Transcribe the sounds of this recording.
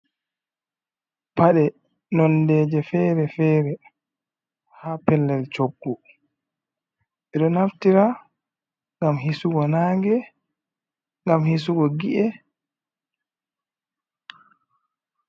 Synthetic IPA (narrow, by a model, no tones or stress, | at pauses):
paɗɛ | nɔndɛːd͡ʒɛfɛɾɛfɛːɾɛ | haːpɛlːɛlt͡ʃoɡːu | ʔɛɗɔnaftiɾa | ŋɡamɦisuɡɔnaːŋɡɛ | ŋɡamhisuɡɔɡiʔɛ